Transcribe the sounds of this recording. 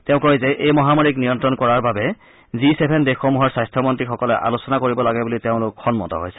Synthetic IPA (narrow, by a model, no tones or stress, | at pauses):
teʊ̃koizɛʔejmɔɦamoɹiknijɔntɹɔnkɔɹaɹbabɛ | zisebʱendexxɔmuɦɔɹsajstʰɔmɔntɹixɔkɔlɛʔa̰losɔnakoɹibɔlaɡɛbuliteʊ̃lʊkʰxɔnmɔ̰tɔ̰ɦo̰jsɛ̥